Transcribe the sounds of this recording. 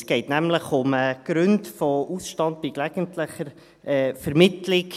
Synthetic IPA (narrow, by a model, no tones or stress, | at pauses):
sɡ̥ɛɪtnæmləχʊməɡ̥ɾʉndfɔʔusʃtɑnd̚biklæɡ̥əntləχəɾ | ɛːfəɾmɪtlɪk